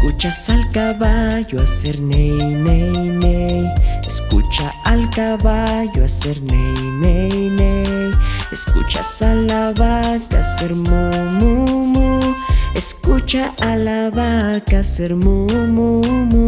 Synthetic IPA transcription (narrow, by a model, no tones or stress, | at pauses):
kut͡ʃasalkaβaʝoaseɾnejnejnejeskṵt͡ʃa | alkaβaʝoaseɾnejnejnejeskṵt͡ʃa̰salaβakaseɾmumumueskut͡ʃaʔalaβakaseɾmumumu